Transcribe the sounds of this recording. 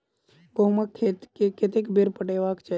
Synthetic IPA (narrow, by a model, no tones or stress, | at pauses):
ɡowmakʰːet̪keket̪ekbeɾpəʈeʋakt͡ʃʰe